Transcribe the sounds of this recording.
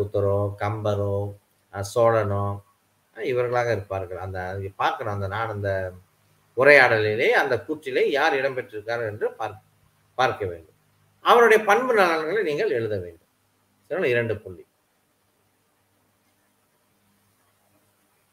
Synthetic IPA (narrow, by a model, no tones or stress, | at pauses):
ɯt̪ːɐɾõːkɐmbɐɾõː | soːlɐnõ | ɪʋɐɾɣɐɭaːɣɐɪɾɯpːaːɾɯkːɐɽ̃ɐnd̪ɐpaːɾkɐɽõːɐnd̪ɐnaːɽɐnd̪ɐ | ʊɾɐjaːɽɐlɪleːɐnd̪ɐkuːʈːɪleːjaːɾɪɽɐmpɛʈːɪɾɯkːaːɾɐɛndrɯpaːɾ | paːɾkɐʋḛːɳɖɯm | ɐʋɐnɯɽɐjɐpɐɳbɯnalɐnɣɐɭeniːŋɡɐɭɛɻɯðɐʋeːɳɖɯm | sɐnːaːlɪɾɐɳɖɯpʊɭːi